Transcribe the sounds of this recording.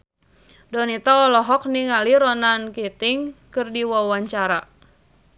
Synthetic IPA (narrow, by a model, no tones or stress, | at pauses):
dɔnit̪aɔlɔɦɔk̚niŋaliɾɔnankit̪ɪŋkɨrdiwɔwaɲt͡ʃaɾa